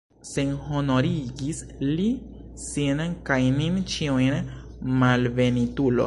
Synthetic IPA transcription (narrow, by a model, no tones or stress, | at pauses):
senhonoɾiɡis | li | sinkajnint͡ʃiujn | malve̞nitulo̰